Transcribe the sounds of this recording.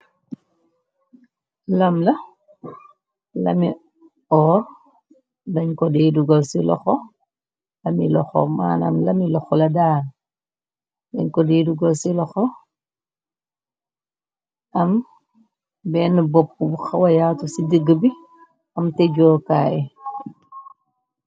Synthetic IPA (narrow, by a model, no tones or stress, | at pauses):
lɐmlɐ | lɐ̰mi | ɔːr | dɐɲkɔdeːduɡɐwsilɔ̰xɔ | lɐmilɔxɔ̰ma̰ːnɐ̰mlɐmilɔxɔlɐdaːl | dɐɲkɔdeːduɡɐwsilɔxɔ | ʔɐm | bɛːnəbɔp̚kubuxɐwɐjatusidəɡəbi | ɐmtɛɟɔːkaːjɛ